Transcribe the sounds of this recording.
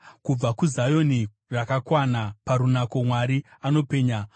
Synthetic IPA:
kub͡vakuzajo̞ni | rakakwanapaɾunako̞mwaɾiano̞pe̞ːɲa

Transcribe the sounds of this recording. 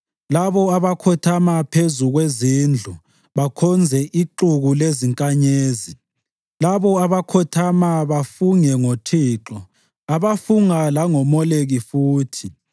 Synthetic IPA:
laβɔaβakʰɔtʰamapʰezuɣwezind͡ɮʱu | βakʰɔnd͡zʱɛʔiǃuɣuleziŋkʼaɲeːzi | laβɔaβakʰɔtʰamaβafuŋɛŋotʰiːǁɔ | aβafuŋalaŋɔmɔleɣifuːtʰi

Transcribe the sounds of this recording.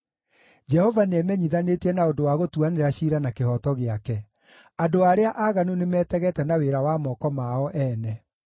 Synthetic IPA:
d͡ʒɛhɔvanɛmɛɲiðanetiɛnaodowaɣotuaneɾaɕiɾanakehɔtɔɣeakɛ | adoaɾeaʔaɣanunemɛːtɛɣɛtɛnaweɾawamɔkɔmaɔʔɛnɛ

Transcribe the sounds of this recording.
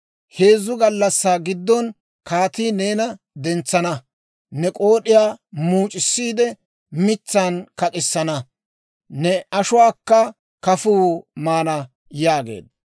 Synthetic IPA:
he̞ːzːʊɡɐlːɐsːaːɡɪd̪ːɔn | kaːt̪iːne̞ːnɐ | d̪ɛnt͡sːɐnɐ | nɛkʼoːɗɪjaːmuːt͡ʃʼɪsːiːd̪ɛ | mɪt͡sːankɐkʼɪsːɐnɐ | nɛɐʃʊwaːkːɐ | kɐfuːmaːnɐ | jaːɡe̞̰ːd̪

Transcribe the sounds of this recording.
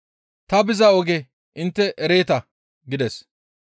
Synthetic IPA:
t̪ɐbɪzɐɔɡɛ | ʔɪnt̪ːɛʔɛɾe̞ːt̪ɐ | ɡɪd̪ɛs

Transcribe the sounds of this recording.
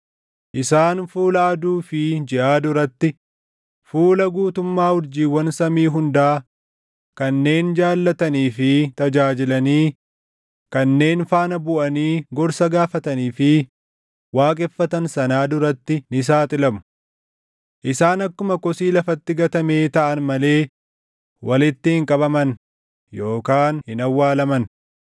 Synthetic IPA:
ʔɪsaːnfuːlɐʔɐd̪uːfɪd͡ʒɪʔaːd̪ʊɾɐt̪ːɪ | fuːlɐɡuːt̪ʊmːaːhʊɾd͡ʒiːwːɐnsɐmiːɦʊnd̪aː | kɐnːe̞ːnd͡ʒaːlːɐt̪ɐniːfɪt̪ɐd͡ʒaːd͡ʒɪlɐniː | kɐnːe̞ːnfaːnɐbʊʔɐniːɡɔɾsɐɡaːfɐt̪ɐniːfɪ | waːkʼɛfːɐt̪ɐnsɐnaːd̪ʊɾɐt̪ːɪnɪs̬aːt̪ʼɪlɐmʊ̥ | ʔɪsaːnɐkːʊmɐkɔsiːlɐfɐt̪ːɪɡɐt̪ɐme̞ːt̪ɐʔɐnmɐle̞ː | wɐlɪt̪ːɪhɪŋkʼɐbɐmɐn | jo̞ːkaːnhɪnɐwːaːlɐmɐn

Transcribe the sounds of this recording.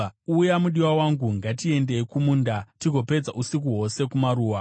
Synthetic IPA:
ujamuɗiwawaŋɡuŋɡatie̞nde̞kumuːndatiɡʱo̞pe̞d͡zaʔusik̬uɦo̞se̞kumaɾuːwa

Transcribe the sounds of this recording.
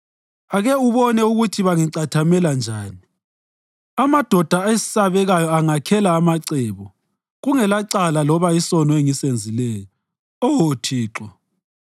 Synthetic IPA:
aɣɛuβɔnɛuɣutʰiβaŋiǀatʰamɛland͡ʒʱaːni | amad̥ʱɔd̥ʱaesi̥saβɛɣajɔaŋakʰɛlaːmaǀɛːβɔ | ɣuŋɛlaǀalalɔβaisɔnɔeŋisend͡zʱilɛːjɔ | ɔwotʰiːǁɔ

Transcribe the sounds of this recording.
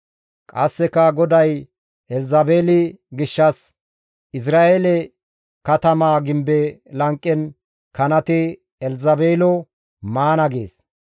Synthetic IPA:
kʼɐsːɛkɐɡɔd̪ɐj | ʔɛlzɐbeːlɪɡɪʃːɐs | ʔɪs̬ɾaːelɛ | kɐt̪ɐmaːɡɪmbɛlɐŋkʼːɛn | kɐnɐt̪ɪ | ɛlzɐbeːlɔ | maːnɐɡḛːs

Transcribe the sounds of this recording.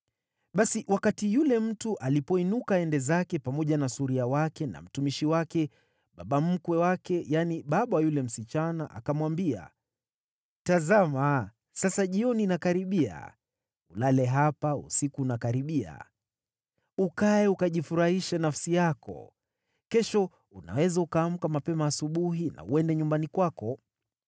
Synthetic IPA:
ɓasiʔwakatijulɛm̩tuʔalipɔinukaɛndɛzakɛpamɔʄanasuɾiawakɛna̰m̩tumiʃiwakɛ | ɓaɓam̩kwɛwakɛjaniɓaɓawajulɛm̩sit͡ʃanaʔa̰kamwambia̰ | tazama | sasaʄiɔniːnakaɾiɓia̰ | ulalɛɦapaṵsikuːnakaɾiɓia̰ | ukaɛukaʄifuɾahiʃanafsijakɔ̰ | kɛʃɔ | una̰wɛzaukaːm̩kamapɛmaːsuɓuɦina̰uɛndɛɲumbanikwakɔ

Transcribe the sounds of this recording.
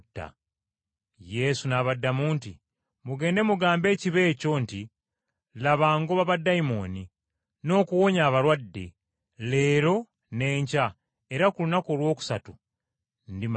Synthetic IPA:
tːa̰ | je̞sunaβadːamuːnti | muɡe̞ːnde̞muɡaːmbe̞ːciβe̞ːco̞nti | laβaːŋɡoβaβadːaimo̞ːni | no̞ːkuwo̞ɲaːβaɾwadːe̞̰ | le̞ːɾo̞ | ne̞ːɲca | e̞ɾakulunako̞ːlwo̞ːku̥satu | ndim

